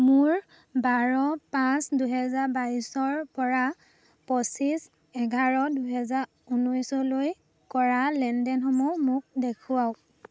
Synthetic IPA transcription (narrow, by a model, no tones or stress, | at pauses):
mʊɹ | baɹɔpãsduɦɛzaɹbaisɔɹpɔɹa | pɔsis | ɛɡʱaɹɔduɦɛzaɹ | unɔjsɔloj | kɔɹalɛndɛnxɔmɔmʊk̚dekʰʊwaw